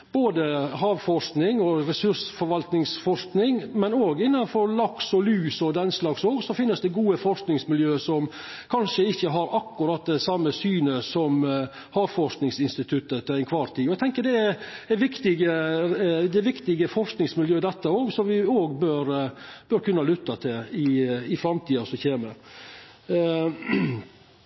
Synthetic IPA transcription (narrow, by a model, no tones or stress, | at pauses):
b̥oːd̪əɦɑːʋfɔʂknɪŋɔɾɛsʉɾsfɔɾʋɑlt̪nɪŋsfɔʂknɪŋmɛnoːɡɪnːɑnfɔɾlɑksɔlyːsɔd̪ɛnslɑksoːɡsɔfɪnːəsd̪ɛɡuːəfɔʂknɪŋsmɪljøːsɔm | kʰɑnʂəɪçːəɦɑɾɑkːʉɾɑt̪̚d̪ɛsɑmːəsyːnəsɔm | hɑɾfɔʂknɪŋsɪnst̪ɪt̪ʰʉt̪ːət̪ʰɛæɪnkʰʋɑɾt̪ʰiːɔɛɡ̚t̪ʰɛŋkəɾɖ̪ɛɛɾʋɪkt̪ɪɡə | d̪ɛʋɪkt̪ɪɡəfɔɾʂknɪŋsmɪljøːd̪ɛt̪ːəoːɡsɔmʋɪoːɡbøːɾb̥øɾkʰʉnːɑlʏt̪ːɑt̪ʰɪlɪɪfɾɑmt̪ʰiːɑsɔçeːməɾ